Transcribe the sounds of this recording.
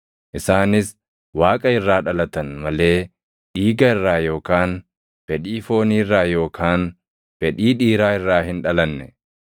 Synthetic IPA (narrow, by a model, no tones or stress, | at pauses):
ʔɪsaːnɪs | waːkʼɐɪrːaːᶑɐlɐt̪ɐnmɐle̞ː | ᶑiːɡɐɪrːaːjo̞ːkaːn | fɛᶑiːfo̞ːniːrːaːjo̞ːkʰaːn | fɛᶑiːᶑiːɾaːɪrːaːɦɪnᶑɐlɐnːɛ